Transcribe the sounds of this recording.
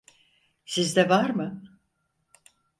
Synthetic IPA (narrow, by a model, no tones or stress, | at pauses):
sizd̪ɛvaɾmɯ